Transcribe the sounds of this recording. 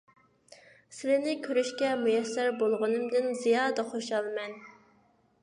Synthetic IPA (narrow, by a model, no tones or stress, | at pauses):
sɪlɪnɪkʲʰøɾyʃkʲɛmujɛsːæɾbolˠʁʊnɨmd̪ɨnzijɑːd̪ɑχoʃɑlˠmɛn